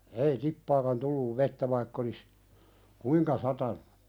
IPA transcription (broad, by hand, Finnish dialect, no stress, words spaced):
ei tipːɑːkɑn tulːuʋ ʋetːæ ʋɑikː olis kuiŋkɑ sɑtɑnu̥